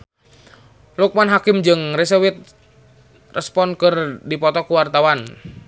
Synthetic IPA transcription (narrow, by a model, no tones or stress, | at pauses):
luk̚manɦakɪmd͡ʒɨŋrɛs̬ɛwit̪̚ | rɛspɔnkɨrdipɔt̪ɔkuwart̪awan